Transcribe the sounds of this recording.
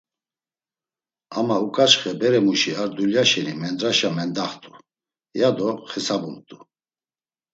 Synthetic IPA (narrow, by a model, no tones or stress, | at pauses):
amaukʼat͡ʃχɛbɛɾɛmuʃiaɾd̪uljaʃɛnimɛnd̪ɾaʃamɛnd̪aχt̪ʼu | jad̪ɔχɛsabumt̪ʼu